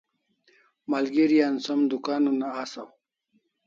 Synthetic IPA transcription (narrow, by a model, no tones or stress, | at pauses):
malɡiɾijaːnsɐmd̪ukaːnunaasaw